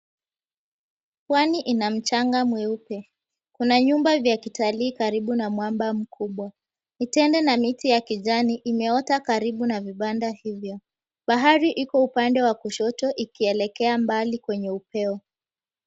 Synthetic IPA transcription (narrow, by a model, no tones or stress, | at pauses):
pwaniʔinam̩t͡ʃaŋɡamwɛupɛ | kunaɲumbavjakitaliːkaɾiɓunamwambam̩kʰuɓwa | nitɛndɛnamitijakiʄaniʔimɛɔtakaɾiɓunaviɓandahivjɔ | ɓaɦaɾiʔikɔupandɛwakuʃɔtɔʔikiɛlɛkɛambalikwɛɲɛupɛɔ